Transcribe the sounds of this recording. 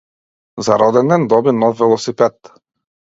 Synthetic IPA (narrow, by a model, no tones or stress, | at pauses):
zaɾɔd̪ɛnɛnd̪ɔbinɔfːɛlˠɔsipɛt̪